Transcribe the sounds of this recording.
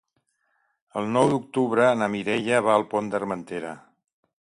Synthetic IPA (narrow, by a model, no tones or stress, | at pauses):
əlˠnɔwd̪uk̚t̪uβɾəːnəmiɾɛʎəβaəlˠpond̪ərmənt̪eɾə̰